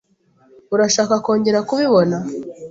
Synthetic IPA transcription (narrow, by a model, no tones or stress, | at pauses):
uɾaʃaːkako̞ːɲɟe̞ɾakuβiβo̞na